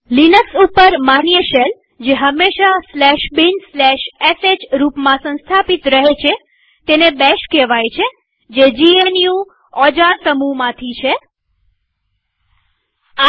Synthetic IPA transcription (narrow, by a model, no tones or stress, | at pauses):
linəksupəɾmanijəʃel | d͡ʒeɦəmːeʃaslɛʃbinslɛʃesed͡ʒɾupmãsə̃nst̪ʰapit̪ɾəɦet͡ʃʰe | t̪enebɛʃkeʋajt͡ʃʰe | d͡ʒed͡ʒienjũ | ɔd͡ʒasəmumãt̪ʰit͡ʃʰe